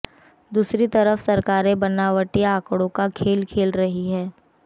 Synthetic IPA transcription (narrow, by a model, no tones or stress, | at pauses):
d̪uːsɾit̪ɐɾəfsɐɾkaːɾẽbɐnaːʋəʈiaːkɽõkakʰeːlkʰeːlɾɐɦiɦɛː